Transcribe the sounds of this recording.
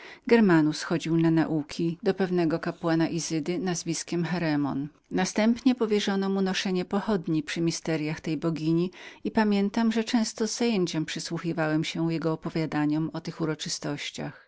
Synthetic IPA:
ɡɛɾmanusxɔd͡ʑiwnana̰ʔukʲʰid̪ɔpɛvnɛɡɔkapwanaʔizɘd̪ɘnazvʲiskʲɛmxɛɾɛmɔ̰n | nast̪ɛmpɲɛpɔvʲjɛʐɔnɔmunɔʂɛɲɛpɔxɔd̪ɲipʂɘmʲist̪ɛɾjaxt̪ɛjbɔɡʲiɲiipamʲjɛnt̪amʐɛt͡ʂɛ̃w̃st̪ɔzːajeɲt͡ɕɛmpʂɘswuxivawɛmɕɛjɛɡɔːpɔvʲjad̪aɲɔmɔt̪ɘxuɾɔt͡ʂɘst̪ɔɕt͡ɕa̰x

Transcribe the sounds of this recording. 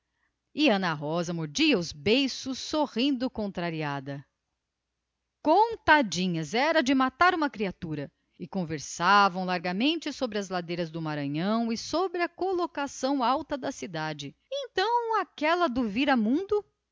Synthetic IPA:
iɐ̃nɐɦɔzɐmoɾd͡ʒiɐʊzbejsʊsːohĩnd̪ʊkõnt̪ɾaɾiad̪ɐ | kõt̪ad͡ʒĩɲɐzɛɾɐd͡ʒɪmat̪aɾũmɐkɾiat̪uɾɐ | ɪkõveɾsavɐ̃w̃laɾɡɐmẽnt͡ʃɪsobɾɪɐzlad̪ejɾɐzd̪ʊmaɾɐ̃ɲɐ̃w̃ɪsobɾɪɐkolokasɐ̃w̃awt̪ɐd̪ɐsid̪ad͡ʒɪẽnt̪ɐ̃w̃akɛlɐd̪ʊviɾɐmũnd̪ʊ

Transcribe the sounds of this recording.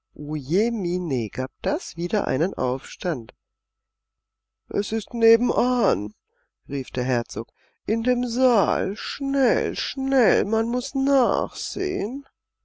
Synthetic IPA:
ʔujeːmineɡ̥aːp̚d̥asv̥iːdɐʔa̰ɪnənʔa̰ʊfʃtant | ʔɛ̰sɪstneːbm̩ʔan | ʁiːfd̥eːɐɦɛɐt͡soːk | ʔʔɪndeːmza̰ːlʃnɛlʃnɛlmanmʊsna̰ːχz̥ḛːən

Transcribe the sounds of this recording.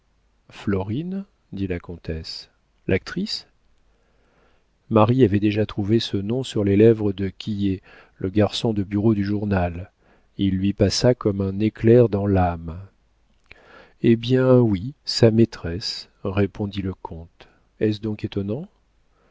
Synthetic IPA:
flɔʁin | d̪ilakɔ̃t̪ɛs | lʔak̚t̪χis | maʁiavɛd̪eʒat̪χuvesənɔ̃syʁlelɛvʁəd̪əkʲʰije | lʔəɡaʁsɔ̃d̪əbyʁod̪yʒuʁnal | ilːɥipasakɔmɛ̃neklɛʁd̪ɑ̃lam | ebjɛ̃wisamet̪χɛs | ʁepɔ̃d̪iləkʰɔ̃t̪ | ɛs̬d̪ɔ̃ket̪ɔnɑ̃

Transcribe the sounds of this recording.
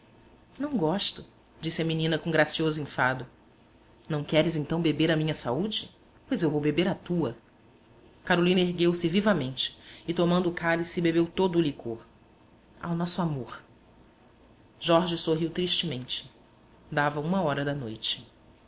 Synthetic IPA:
nɐ̃w̃ɡɔʃt̪ʊ | d͡ʒisɪɐminĩnɐkõɡɾasiozʊĩfad̪ʊ | nɐ̃w̃kɛɾɪzẽnt̪ɐ̃w̃bebeɾɐmĩɲɐsaud͡ʒɪ | pojzewvowbebeɾɐt̪uɐ | kaɾolĩnɐeɦɡewsɪvivɐmẽnt͡ʃɪ̥ːt̪omɐ̃nd̪ʊːkalisɪbebewt̪od̪ʊːlikʰoɾ | a̰wnɔsʊamoɾ | ʒɔɾʒɪsoɦiwt̪ɾiʃt͡ʃɪmẽnt͡ʃɪ̥ | d̪avɐũmɐɔɾɐd̪ɐnojt͡ʃɪ̥

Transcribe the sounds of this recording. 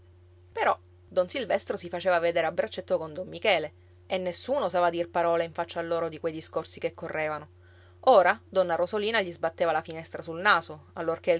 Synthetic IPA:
peɾɔ | d̪ɔnsilvɛst̪ɾosifat͡ʃeːvaved̪eːɾeabɾat͡ʃːet̪ːokond̪omːikɛːle | enːesːuːnos̬aːvad̪irpaɾɔːleiɱfat͡ʃːaːlːoːɾod̪ikwejd̪iskorsikekːorːeːvano | oːɾad̪ɔnːaɾosoliːnaʎizbat̪ːeːvalafinɛst̪ɾasulnaːsoalːorke

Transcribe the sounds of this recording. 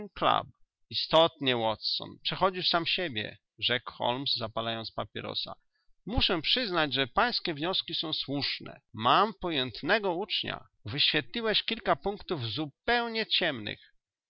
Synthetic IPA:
kla̰b̚ | ist̪ɔt̪ɲɛwɔt̪sɔ̰npʂɛxɔd͡ʑisamɕebʲjɛ̰ | ʐɛkxɔ̰lmszapalajɔnt̪spapʲjɛ̰ɾɔ̰sa̰ | muʂɛpʂɘznad͡ʑʐɛpaj̃skʲɛvɲɔskʲisɔ̃w̃swuʂnɛ̰mampɔjɛnt̪nɛɡɔut͡ʂɲa̰ | vɘɕfʲjɛt̪lʲiwɛɕkʲilkapuŋkt̪uvzupɛwɲɛt͡ɕɛmnɘ̰x

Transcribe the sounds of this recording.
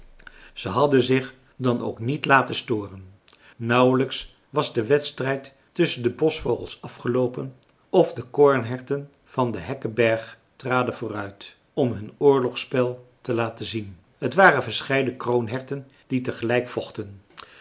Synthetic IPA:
z̥əɦɑdənzɪχ | dɑnʔo̰wknitlaːtəstʊːrənː | ʌwləks | ʋɑzdəʋɛtstrɛjtː | ʏsəndəbɔsfowχəlˠsɑfχəlowpən | ɔvdəkɔɹnɦɛɹtən | v̥ɑndəɦɛkəbɛɹχ | traːdəv̥ʊːrœɥt | ɔmɦɵnʊːɹlɔχspɛlˠtəlaːtəzin | ɦətʋaːrənvəɹsχɛjdəkrownɦɛɹtən | d̥itəχəlɛjkfɔχtən

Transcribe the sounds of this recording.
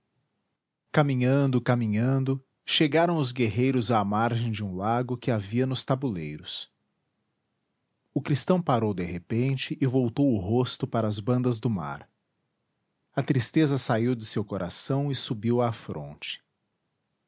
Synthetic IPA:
kamĩɲɐ̃nd̪ʊkamĩɲɐ̃nd̪ʊ | ʃeɡaɾɐ̃w̃ʊzɡeɦejɾʊzaːmaɾʒẽj̃d͡ʒɪũlaɡʊkɪaviɐnʊst̪abulejɾʊs | ʊkɾist̪ɐ̃w̃paɾowd̪eɦepẽnt͡ʃɪʔːvowt̪owʊɦost̪ʊpaɾɐːzbɐ̃nd̪ɐzd̪ʊma̰ɾ | ɐt̪ɾist̪ezɐsaiwd̪ʊsewkoɾʔa̰sɐ̃w̃ɪsubiwaːfɾõ̰nt͡ʃɪ̥

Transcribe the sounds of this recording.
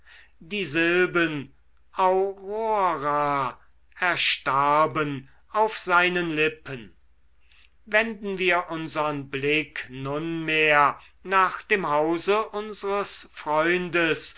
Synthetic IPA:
diːzɪlbən | ʔaʊʁoʁa | ɛɐʃtaɐbən | aʊfz̥aɪnənlɪpən | vɛndn̩viːɐʔʊnzəʁənblɪknʊnmeːɐ | naːχd̥eːmhaʊzəʔʊnzəʁəsfʁ̥ɔʏndəs

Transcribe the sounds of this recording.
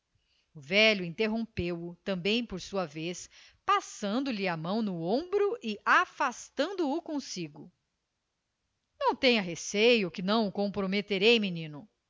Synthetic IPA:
ʊvɛʎʊĩnt̪eɦõmpewʊt̪ɐ̃mbẽj̃poɾsuɐvespasɐ̃nd̪ʊlɪamɐ̃w̃nʊõbɾʊʔɪʔafast̪ɐ̃nd̪ʊʊkõsiɡʊ | nɐ̃w̃t̪ẽjɐɦesejʊkɪnɐ̃w̃ʊkõpɾomet̪eɾejminĩnʊ

